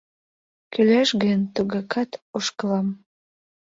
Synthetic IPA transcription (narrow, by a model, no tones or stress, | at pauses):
kylæʃɣənʲt̪uɣɑkʰɑt̪oʃkəlɑm